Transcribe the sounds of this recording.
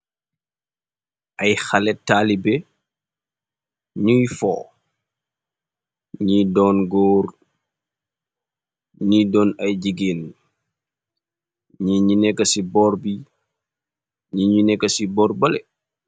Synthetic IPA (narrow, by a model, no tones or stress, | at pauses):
ʔɐjxɐlɛtːaːlibɛ | ɲujfɔ̰ː | ɲidɔːnɡɔːr | ɲidɔːnɐjɟiɡiːl | ɲiɲunɛkːɐsibɔːɾbi | ɲiɲunɛkːɐsibɔɾbɐlɛ